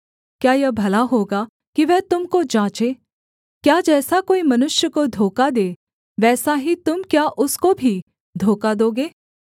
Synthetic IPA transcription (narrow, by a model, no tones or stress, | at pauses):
kjaːjɐbʱɐlaɦoːɡa | kiʋɛɦt̪ʊmkod͡ʒãːt͡ʃeː | kjaːd͡ʒɛːsakoːimɐnʊʃjəkod̪ʱoːkad̪eː | ʋɛːsaɦit̪ʊmkjaʔʊskobʱi | d̪ʱoːkad̪oːɡeː